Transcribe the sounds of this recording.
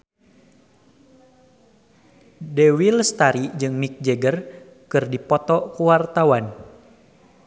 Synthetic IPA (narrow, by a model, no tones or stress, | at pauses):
dɛwilst̪aɾid͡ʒɨŋmik̚d͡ʒɛɡər | kɨrdipɔt̪ɔkuwart̪awan